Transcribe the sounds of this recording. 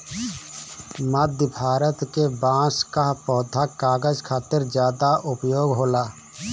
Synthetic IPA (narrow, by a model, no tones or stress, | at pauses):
məd̪ʱjəbʱaːɾət̪kebãːskapɔːd̪ʱakaːɡəd͡ʒkʰaːt̪əɾd͡ʒjaːd̪aʔʊpjoːɡɦoːlaː